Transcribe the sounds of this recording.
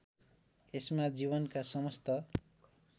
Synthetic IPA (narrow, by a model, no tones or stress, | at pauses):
esmad͡zibʌnkasʌmʌst̪ʌ